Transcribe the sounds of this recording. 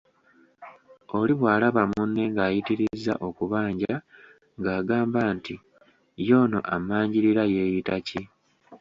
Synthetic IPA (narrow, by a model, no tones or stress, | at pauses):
o̞liβwaːlaβamunːe̞ŋɡaːjitiɾizːa̰ʔo̞kuβaːɲɟa | ŋɡaːɡaːmbaːnti | jo̞ːno̞̰ʔamaːɲɟiɾiɾaje̞ːjitaci